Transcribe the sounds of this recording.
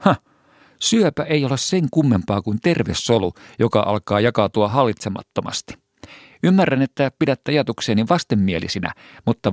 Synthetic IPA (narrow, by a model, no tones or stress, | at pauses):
hɑ | syøpæʔejolesseŋkumːempɑːkunt̪e̞rʋesːolujokɑ̰ʔɑ̰lkɑːjɑkɑt̪uɑɦɑlːit̪semɑ̰t̪ːomɑ̰st̪i̥ | ymːærːænet̪ːæpidæt̪ːøɑjɑt̪ukseːnːiʋɑst̪emːielḭsinæ̰ | mut̪ːɑ